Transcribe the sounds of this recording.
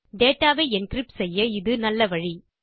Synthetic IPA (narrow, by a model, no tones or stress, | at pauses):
ɖeːʈːaːʋeːɛnkrɪpːsɛjːɐɪðɯnɐlːɐʋɐɻi